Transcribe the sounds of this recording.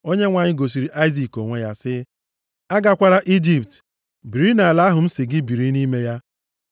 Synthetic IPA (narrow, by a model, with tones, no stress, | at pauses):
o˦ɲe˦ŋʷa˨ɲɪ˦ɡo˨s̬i˨ɾi˦ʔa˦ɪ˦zi˨ko˨ŋʷe˦ja˦sɪ˦ | a˦ɡa˨kʷa˦ɾa˦ʔi˦d͡ʒi˨pt | bi˨ɾi˦na˨la˦ɦʊ˨m̩˦sɪ˨ɡɪ˦bi˨ɾi˦ni˦me˦ja˦